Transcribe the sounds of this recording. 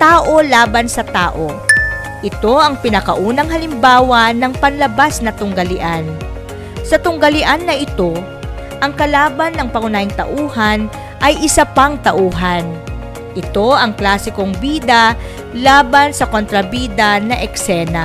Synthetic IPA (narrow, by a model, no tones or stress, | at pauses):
t̪aːʔo̞laːbɐnsɐt̪aːʔo̞ | ʔɪt̪o̞ʔɐŋpɪnɐkɐʔuːnɐŋhɐlɪmbaːwɐnɐŋpɐnlɐbasnɐt̪ʊŋɡɐlɪʔan | sɐt̪ʊŋɡɐlɪʔanːɐʔɪt̪o̞ | ʔɐŋkɐlaːbɐnːɐŋpɐŋʊnaːjɪŋt̪ɐ̰ʔuːhɐn | ʔɐjʔɪsɐpɐŋt̪ɐʔuːɦɐn | ʔɪt̪o̞ʔɐŋklaːsɪko̞ŋbiːd̪ɐ | laːbɐnsɐkont̪ɾɐbiːd̪ɐnɐʔɛksɛːnɐ